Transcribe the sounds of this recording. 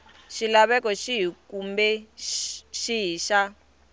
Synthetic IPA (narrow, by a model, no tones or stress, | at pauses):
ʃilaβɛkɔʃiɦikumbɛ | ʃiɦiːʃa